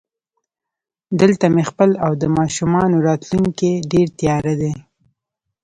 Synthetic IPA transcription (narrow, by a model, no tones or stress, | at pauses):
d̪əlt̪amexpəlawd̪əmɑʃumɑnoɾɑt̪luŋkeɖeɾt̪jɑɾad̪e